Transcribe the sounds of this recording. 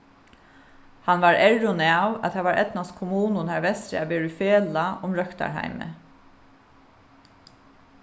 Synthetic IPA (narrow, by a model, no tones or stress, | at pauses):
hanʋaɹɛɹʊnɪawæ̰t̪ʰaːʋaɹʔɛ̰t̪nast̪kʰʊmuːnʊnhæɹʋɛst̪ɾɪ̰abeːɹʊfeːlaʔʊmɾœkt̪a̰ɹɦa̰ɪmɪ̰